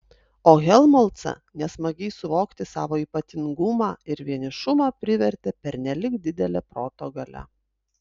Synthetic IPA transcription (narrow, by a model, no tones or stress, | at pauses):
oːɣʲɛlˠmolˠt̪sɐ̰ | nʲɛsmɐɡʲɛɪsʊʋoːkt̪ʲɪsɑ̰ːʋoːiːpɐt̪ʲɪŋɡʊmɑːɪɾʋʲiɛnʲɪʃʊmɑːpʲɾʲɪʋʲɛɾʲt̪ʲeːpʲɛɾnʲɛlʲɪkd̪ʲɪd̪ʲɛlʲɛpɾoːt̪oɡɐlʲɛ̰